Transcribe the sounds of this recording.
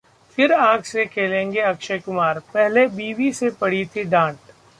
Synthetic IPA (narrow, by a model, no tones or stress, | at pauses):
fɪɾãːɡsekʰeːlẽːŋɡeɐkʃəkʊmaːɾpɛɦlebiːʋisepɐɽ̤it̪ʰiɖãːʈ